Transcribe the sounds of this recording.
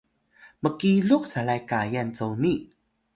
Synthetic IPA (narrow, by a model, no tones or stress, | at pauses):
məkiɮuk̚salajkajant͡sowni